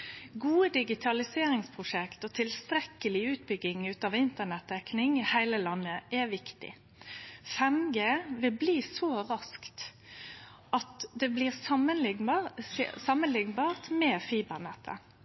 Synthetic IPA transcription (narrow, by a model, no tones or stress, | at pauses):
ɡuːəd̪ɪɡɪt̪ʰɑlɪseːɾɪŋspʰʁʊʂɛkt̪ɔt̪ʰɪlst̪ɾɛkːəlɪʉːt̪̚bʏɡɪŋʉːt̪ɑːʋɪnt̪ənɛt̪̚ːɛknɪŋɪhæɪləlɑnːəʔɛʋɪkt̪ɪ̰ | fɛmɡeːʋɪlbliːsɔʁɑskt̪ | ʔɑt̪d̪ɛbliːʁsɑmən | sɑmənlɪŋbɑːʁt̪mɛːfiːbəʁnɛt̪ʰːə̰